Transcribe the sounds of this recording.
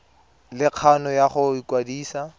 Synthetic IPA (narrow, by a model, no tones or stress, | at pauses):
lɪq͡χʰanɔjaχʊikwadiːsa